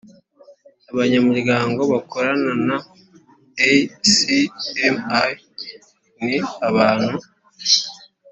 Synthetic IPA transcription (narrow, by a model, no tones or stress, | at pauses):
aβaɲamuɾɡaːŋɡo̞βakoɾanana | esiema | niaβaːn̥hu